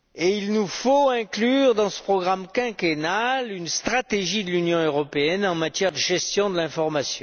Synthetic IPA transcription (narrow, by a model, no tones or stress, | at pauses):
eilnufoɛ̃klyʁd̪ɑ̃sə̥pχɔɡʁamkɛ̃kenalynst̪χat̪eʒid̪əlynjɔ̃øʁɔpeɛnɑ̃mat̪jɛʁd̪əʒɛst̪jɔ̃d̪əlɛ̃fɔʁmasjɔ̃